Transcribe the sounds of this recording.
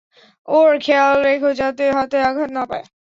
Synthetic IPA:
oɾkʰealɾekʰod͡ʑat̪eɦɔt̪eaɡʱatnapae

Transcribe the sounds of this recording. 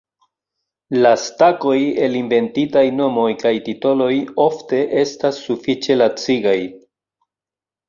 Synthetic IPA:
lastako̞je̞linve̞ntitajno̞mo̞jkajtito̞lo̞jo̞fte̞ʔe̞stasːufit͡ʃe̞lat͡siɡaj

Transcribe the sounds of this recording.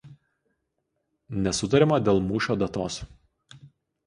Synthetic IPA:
nʲɛsʊt̪ɐɾʲɛmɐd̪ʲeːlˠmuːʃʲoːd̪ɐt̪oːs

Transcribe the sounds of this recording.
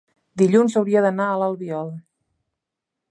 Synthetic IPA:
d̪iʎunzəwɾiəðənaələlˠβiɔl

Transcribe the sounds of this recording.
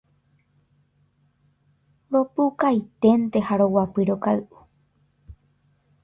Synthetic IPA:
ɾo̞pukajt̪e̞nt̪e̞haɾo̞wapɨɾo̞kaɨʔu̥

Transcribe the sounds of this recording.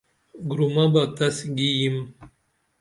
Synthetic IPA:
ɡɾumabat̪asɡijim

